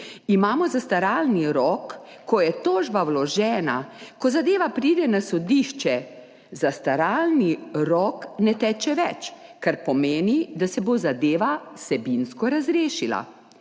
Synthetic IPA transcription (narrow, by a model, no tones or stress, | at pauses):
imaːmɔzast̪aɾaːlniɾɔkː | ɔjɛt̪oːʒbawlɔʒɛːnakɔzad̪eːʋapɾiːd̪ɛnasɔd̪iʃt͡ʃɛ | zast̪aɾaːlniɾɔknɛt̪ɛːt͡ʃɛʋɛt͡ʃkaɾpɔmeːnid̪asɛbozad̪eːʋasɛbinskɔɾazɾeːʃila̰